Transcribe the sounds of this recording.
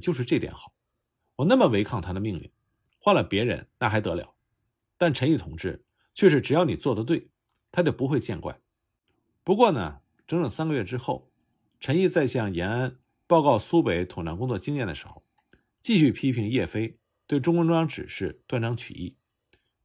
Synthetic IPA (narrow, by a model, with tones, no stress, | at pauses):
t͡ɕjo˥˧ʊʂɻ̩˧ʈ͡ʂɤ˥˩t̪jɛ̰˧˥nxɑ˨˩˦ʊ | wɔ˨˩na˥˩mə˩we˧˥ɪkʰɑ˥˩ŋt̪ʰa˥d̪ə˨mi˥˧ŋlḭ˥˩n | xwa˥˩nlə˩pjɛ˧˥ɻə̰˧˥nna˥˩xa˧˥ɪt̪ɤ˧˥ljɑ̰˧˥˦ʊ | t̪a˥˩nʈ͡ʂʰə˧˥ni˥˩t̪ʰʊ˧˥ŋʈ͡ʂɻ̩˥˩ | t͡ɕʰɥɛ˥˧ʂ̬ɻ̩˥ʈ͡ʂɻ̩˨˩jɑ˥˩ʊni˨˩t͡swɔ˥˩d̪ə˩t̪̬we˥˩ɪ | t̪ʰa˥t͡ɕjo˥˩ʊpu˧˥xwe˥˧ɪt͡ɕjɛ˥˧nkwa̰˥˩ɪ | pu˧˥kwɔ˥˩nə̰˩ | ʈ͡ʂɤ˧˥ŋʈ͡ʂɤ˨˩ŋsa˥nɡə˧ɥɛ˥˧ʈ͡ʂɻ̩˥xo˥˩ʊ | ʈ͡ʂʰə˧˥ni˥˧t͡sa˥˧ɪɕjɑ˥˩ŋjɛ˧˥na˥n | pɑ˥˧ʊkɑ˥˩ʊsu˥pe˧˥ɪt̪ʰʊ˨˩ŋna˧˥ŋkʊ˥ŋt͡swɔ˥˩t͡ɕi˥ŋjɛ˥˩nd̪ə˩ʂɻ̩˧˥xo̰˥˧˩ʊ | t͡ɕi˥˧ɕy˥˩pʰi˥pʰi˧˥ŋjɛ˥˩fe˥ɪ | t̪we˥˩ɪʈ͡ʂʊ˥ŋkwə˥nʈ͡ʂwɑ˥ŋʈ͡ʂɻ̩˨˩ʂɻ̩˥˧t̪wa˥˩nʈ͡ʂɑ˥ŋt͡ɕʰy̰˨˩ḭ˥˩